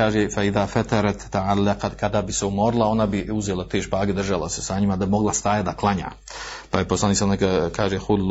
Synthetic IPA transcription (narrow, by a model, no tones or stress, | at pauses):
aːʒefaiðaːfat̪aɾat̪ːaʕalːaqakad̪abiseumo̞ɾlˠao̞nabiuzeːlat̪eːʃpaːɡed̪r̩ʒala̰sesaɲimad̪abimo̞ɡlˠast̪aːjad̪aklˠaɲa̰ː | pajeposlˠaniːksanaakʰaːʒexul